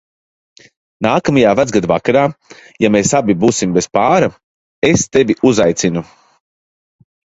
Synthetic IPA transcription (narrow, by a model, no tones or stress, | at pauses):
naːkamajaːvæd̪ɡad̪vakaɾaːjameːsabibuːsimbespaːɾa | est̪eviuzajt̪sinu